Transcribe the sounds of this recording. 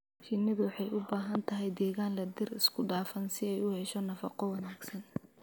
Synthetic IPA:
t͡ʃɪnɪðʊwɑħɑjʊbaːɦɐnt̪ʰɐɦɛjd̪ɛːɣaːnlɐd̪ɪrɪskʰʊɖaːfɐnsɪɛjʊhɛʃɔnɐfɑqɔwɑnaːɡsɐn

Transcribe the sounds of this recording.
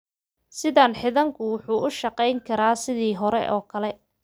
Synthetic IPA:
sɪðaːnħɪðɐŋkʰʊwʊħuːʔʊʃɐqɛjŋkʰɐɾaːsɪðiːɦɔɾɛ̰ʔɔːkʰɐlɛ

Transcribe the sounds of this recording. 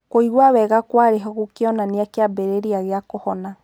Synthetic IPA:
koiɣwawɛɣakwaɾeɦɔɣukeɔnaneakeabeɾeɾiaɣeakɔhɔna

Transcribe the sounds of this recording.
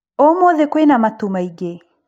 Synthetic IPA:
omoðekwenamatumaiɡe

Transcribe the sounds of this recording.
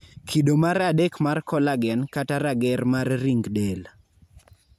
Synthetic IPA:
kʰidomaɾadekmarkɔlaɡɛnkataɾaɡɛɾmarːiŋɡdel

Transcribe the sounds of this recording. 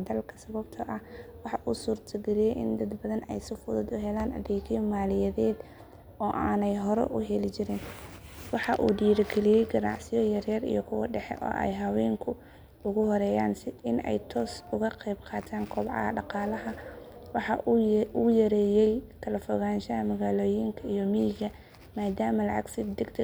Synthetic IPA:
d̪ɐlkʰɐ̥sɐβɐbt̪ʰɐʔɐhwɑħɑʔuːsuːrt̪ʰɐɡɛɾɪjɛjʔɪnd̪ɐd̪bɐðɐnɛ̰jsɪfʊðʊd̪ʊɦɛlaːnɐ̰ðɛɣʰɪjmaːlɪjɛðɛːd̪ | ɔːʔaːnɛjɦɔɾɛ̰ʔʊɦɛlɪt͡ʃɪɾɪnwɑħɑʔṵːɖiːɾɐɡɛlɪjɛjɡɐnɑ̰ʕsɪjɔjɐrjɐɾḭjɔkʰʊwɑ̰ɖɛħɛ̰ʔɔ̰ːʔɛ̰jɦɐwɛːŋkʰʊ | ʊɣʊhɔɾɛːjaːnsɪɪnɛ̰jt̪ʰɔːsʊɣɐqɛbqʰɑːt̪ʰaːŋkʰɔːbʕɑ̰ɐ̰ɖɑqɑːlɐɦɐwɑħɑʔʊjɐɾɛːjɛjt̪ʰɐlɛfɔɣaːnʃɐɐmɐɣaːloːjɪŋkʰɐijɔmijɣɐ | maːd̪aːmɐlɐʕɑ̰ɡsɪbd̪ɛɡd̪

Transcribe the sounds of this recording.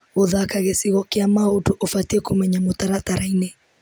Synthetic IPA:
ɣoðakaɣesiɣɔkiamautuʔofatiɛkumɛɲamutaɾataɾaine

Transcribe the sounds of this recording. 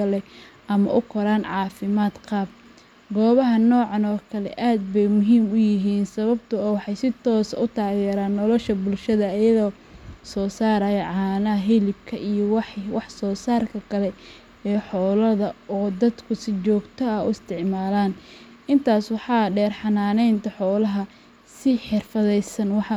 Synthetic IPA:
ɐlɛʔɐmɐ̰ʔʊkʰɔɾaːnʕɑːfɪmaːd̪qɑːb̚ | ɡɔːβɐɦɐnɔːʕɑnɔːkʰɐlɛ̰ʔaːd̪̚bɛjmʊɦiːmʊjɪɦiːnsɐβɐbt̪ʰʊɔːwɑħɑjsɪt̪ʰɔːsʊt̪ʰaːɣɛːɾaːnːɔlɔʃɐbʊlʃɐðɐːjɐðɔː | sɔːsaːɾɐjɐʕɑːnɐɐɦilɪbkʰɐʔijɔwɑħwɑħsɔːsaːrkʰɐkʰɐlɛ | ɛːħɔːlɐðɐɔːd̪ɐd̪kʰʊsɪt͡ʃɔːɡt̪ʰɔɐʊɪst̪ʰɪʕmaːlaːn | ɪnt̪ʰaːswɑħɑːɖɛːrħɑnaːnɛjnt̪ʰɐħɔːlɐɦɐ | sɪħɪrfɐðɛjsɐnwɑħɑ

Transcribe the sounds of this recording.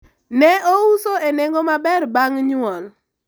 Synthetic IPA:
nɛousoeneŋɡomabɛrbaŋɲʊɔl

